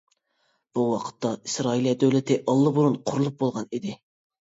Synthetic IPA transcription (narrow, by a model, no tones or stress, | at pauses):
b̥uwɑqʰə̥t̪ːɑisɾɑiljɛd̪øwlɪt̪ʰɪʔɑlˠːɨbuɾunqʰʊɾulˠup̚bolˠʁɑnid̪ɪ